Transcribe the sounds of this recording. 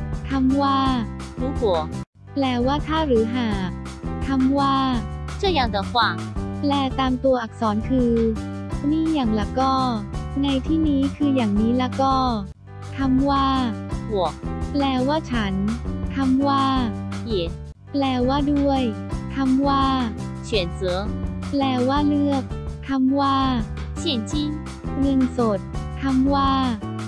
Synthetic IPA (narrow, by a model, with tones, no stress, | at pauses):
t̪ʰa˧mwaː˥˩ɾuː˨˦hu˨˩˦ək̚ | plɛː˧˩waː˥˩t̪ʰaː˥˩ɾɯː˩˦ɦaː˨˩k̚t̪ʰa˧mwaː˥˩t͡ɕʰɯ˥˩jaː˨˩ŋt̪ɔ˨˩˦kʰwaː˧ŋplɛː˧˩t̪aː˧mt̪u˧ɐʔa˨˩k̚sɔː˩˦nkʰɯː˧ | miː˥˩jaː˨˩ŋla˧˩kɔː˥˩na˧jt̪ʰiː˥˩niː˦˥kʰɯː˧jaː˨˩ŋniː˦˥la˧˥kɔː˥˩ | t̪ʰa˧mwaː˥˩hu˨˩˦ək̚plɛː˧waː˥˩t͡ɕʰa˦˥nt̪ʰa˧mwaː˥˩hi˨˩˦n̚ | plɛː˧waː˥˩du˥˩əjt̪ʰa˧mwaː˥˩t͡ɕʰi˨˩˦ənsɯ˨˩˦plɛː˧waː˥˩lɯ˥˩ək̚t̪ʰa˧mwaː˥˩ | t͡ɕʰi˧˩ə˦nt͡ɕʰi˧˥˩ŋ | nɯ˧ŋso˨˩t̪̚ʰː | a˧mwaː˥˩